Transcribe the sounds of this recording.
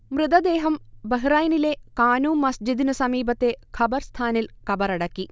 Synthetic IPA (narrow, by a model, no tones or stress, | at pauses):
mrɨd̪ɐd̪e̞ːɦɐmbɐɦiraːjɐnile̞kaːnuːmmːɐsd͡ʑid̪inɨsɐmiːbɐt̪ːe̞kʰɐbɐrst̪ʰaːnilkɐbɐɾɐɽɐkːi